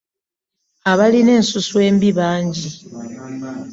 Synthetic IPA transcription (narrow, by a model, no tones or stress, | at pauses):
aβaline̞ːnsuswe̞ːmbiβaːɲɟi